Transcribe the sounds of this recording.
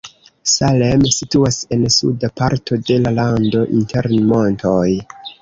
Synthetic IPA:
salemsituase̞nsṵdapaɾtʰo̞de̞lalando̞ʔinteɾnmo̞ntʰo̞j

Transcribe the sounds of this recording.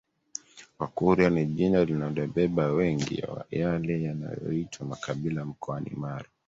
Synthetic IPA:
wakuɾjaniʄinalinaɗɛɓɛɓawɛŋɡḭjalɛjana̰jɔ̰itʰwamakaɓilam̩kʰɔanḭmaɾa

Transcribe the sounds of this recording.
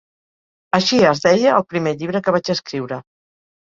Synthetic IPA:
əʃiəzðɛjəːlˠpɾimeʎiβ̞ɾəkəβad͡ʒəskɾiwɾə

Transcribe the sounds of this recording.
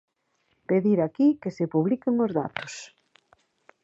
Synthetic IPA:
peðiɾakikesepuβlikɪŋʊzða̰t̪ʊ̥s

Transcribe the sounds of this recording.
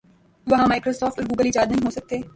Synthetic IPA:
ʋɐɦãmaːɪkɾoːsɔːfʈʊɾɡuːɡɐliːd͡ʒaːd̪nɐɦĩɦoːsɐk̚t̪eː

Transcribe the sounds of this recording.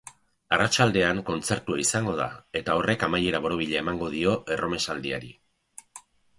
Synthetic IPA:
arat͡ʃald̪e̞aŋko̞nt͡se̞ɾt̪uaisaŋɡo̞ð̞a̰e̞t̪ao̞re̞kamaje̞ɾaβo̞ɾo̞β̞iʎeemaŋɡo̞ð̞io̞ʔero̞me̞sald̪iaɾi

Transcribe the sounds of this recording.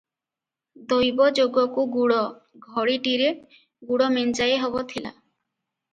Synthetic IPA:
d̪ojbɔd͡ʒoɡɔkuɡuɽɔɡʱɔɽiʈiɾe | ɡuɽɔment͡ʃajeɦobot̪ʰila̰

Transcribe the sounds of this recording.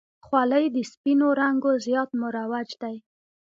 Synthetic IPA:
xwɑləjd̪əspinoɾaŋɡozjɑt̪mʊɾawad͡ʒd̪aj

